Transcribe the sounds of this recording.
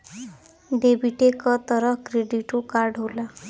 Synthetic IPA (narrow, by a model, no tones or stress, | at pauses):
ɖebiʈekɔt̪ɔɾɔkɾeɖiʈokaɾɖɦola